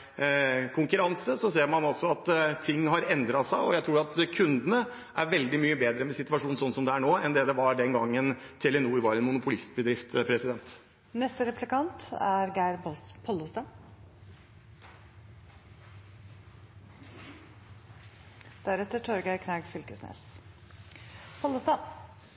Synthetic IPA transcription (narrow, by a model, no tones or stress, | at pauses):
kʰʊŋkʉɾɑnsəsɔseːɾmɑnɔsɔɑt̪t̪ʰːɪŋːɦɑɾɛnd̪ɾɑsæɪɔjæɪt̪ɾuːɖɑt̪kʰʉnd̪ənə | ʔæɾʋɛld̪ɪmyːəbeːd̪ɾəmɛsɪt̪ʋɑʂuːn̩sɔn̩sɔmd̪ɛæɳoːɛnd̪ɛːd̪ɛʋɑɖɛnɡɑŋːən | t̪ʰɛlɛnuːɾʋɑɾɛnmʊnʊpʊlɪst̪bəd̪ɾɪft̪pʰɾɛsɪd̪ɛnt̪ | nɛst̪əɾɛplɪkɑnt̪æɾɡæɪɾbɔlspʰɔlːʊst̪ɑ | d̪̥æɾɛt̪ːəʈʰɔɾɡæɪkʰnɑɡfʏlkəsnḛːs | pʰɔlʊst̪ɑ